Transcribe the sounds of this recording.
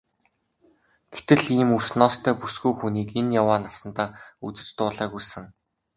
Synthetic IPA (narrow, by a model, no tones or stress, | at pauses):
ɡ̥et̪ɘ̆ɮiːmursnɔːst̪ʰœːpusɡujxuniːkenjawaːnasə̆nt̪aːut͡sɘ̥̆t͡ɕt̪ʊːɮaːɣujsɘ̆ŋ